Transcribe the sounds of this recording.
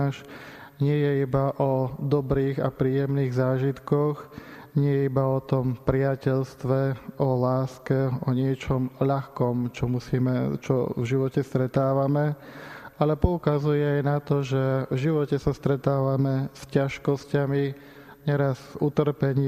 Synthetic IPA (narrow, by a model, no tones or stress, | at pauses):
ʃ | ɲɪɛjɛibaʔɔd̪ɔbɾiːɣapɾiːjɛmniːɣzaːʒit̪kɔx | ɲɪɛjɛibaɔt̪ɔmpɾɪacɛʎst̪ʋɛɔlaːskɛɔɲɪɛt͡ʃɔmʎaxkɔmt͡ʃɔmusiːmɛt͡ʃɔ̰vʒiʋɔcɛst̪ɾɛt̪aːʋamɛ | alɛpɔukazujɛajnat̪ɔʒɛvʒiʋɔcɛsast̪ɾɛt̪aːʋamɛscaʃkɔscami | ɲɛɾazut̪r̩pɛɲ